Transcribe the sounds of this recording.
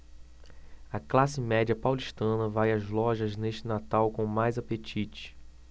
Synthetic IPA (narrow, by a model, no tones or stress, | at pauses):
ɐklasɪmɛd͡ʒiɐpawliʃt̪ɐ̃nɐvajɐzlɔʒɐzneʃt͡ʃɪnat̪awkõmajzapet͡ʃit͡ʃɪ̥